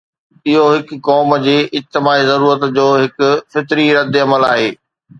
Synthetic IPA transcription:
ɪɦoɦɪkːɔːmd͡ʑiːʔɪd͡ʑt̪ɪmaːizɐɾuːɾət̪d͡ʑoːɦɪkʊfɪt̪ɾiɾɐd̪ɪɐməla̰ːɦeː

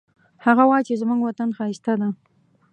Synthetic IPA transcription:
haɣawɑjt͡ʃezmuŋɡwat̪anxɑist̪ad̪a

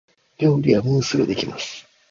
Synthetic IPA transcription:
ɾʲoːɾʲijamɯ̟̃ːsɨɾɯd̪e̞kʲimasɨ̥

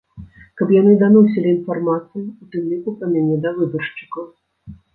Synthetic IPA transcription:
kɐpjanɨd̪anɔs̬ʲɛlʲiinfarmat̪sɨjiut̪ɨmlʲikupɐmʲanʲɛd̪ɐvɨbɐrʂt͡ʂɨ̥kɐw

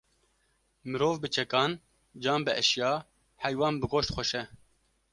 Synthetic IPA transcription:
mɨɾoːvbɨt͡ʃʰɛkɑːn | d͡ʒɑːmbɨʔɛʃjɑː | hɛjwɑːnbɨɡoːʃt̪xʷɛʃɛ

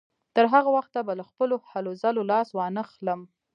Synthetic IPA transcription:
t̪əɾɦaɣawaxt̪ːabalaxpəlohalozalolɑswɑnəxləm

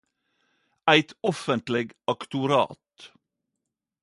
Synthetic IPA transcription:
æɪt̪ɔfənt̪lɪɡɑkt̪ʊɾɑ̰ːt̪

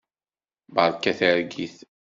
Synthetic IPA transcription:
bəɾˤkːæθəɾɡiθ

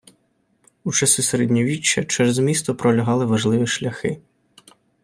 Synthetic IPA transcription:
ut͡ʃɐsiseɾɛdʲnʲiʋʲit͡ʃːɐt͡ʃɛɾzmʲist̪ɔpɾɔlʲɐɦɑlˠɪʋɐʒlˠɪʋʲiʃlʲɐxɪ

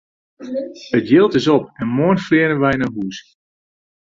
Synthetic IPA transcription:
ətjɪlˠtɪsɔpɛnmoənflɪənəʋɛjɪnənɦuːs

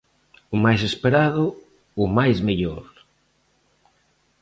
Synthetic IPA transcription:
ʊmajsespeɾaðʊ | ʊmajzmeʎoɾ

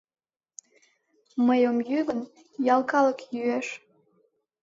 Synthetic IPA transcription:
məjomjyɣən | jɑlˠkɑləkjyeʃ

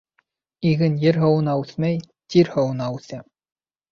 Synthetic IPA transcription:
iɣɘ̆njɘ̆ɾɦɤ̆wɤnɑʉθmæj | t̪ʲiɾhŏwnɑʉθæ

